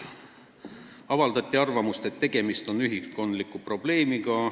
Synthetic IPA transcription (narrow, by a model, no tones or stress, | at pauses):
ɑvɑld̪ɑt̪ʲːˑiɑrvɑmust̪e̞t̪ːe̞ɡ̥e̞mist̪o̞nːyɦisko̞nd̪likːˑupro̞b̥le̞ːmiɡ̥ɑ